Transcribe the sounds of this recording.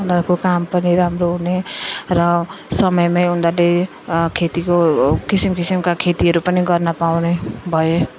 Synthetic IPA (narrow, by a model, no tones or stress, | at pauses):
und̪ʌɾkokampʌniɾamɾoɦuneɾʌsʌmʌjmajund̪ʌle | kʰet̪ikokisimkisimkakʰet̪iɦʌɾupʌniɡʌrnʌpawnebʱʌje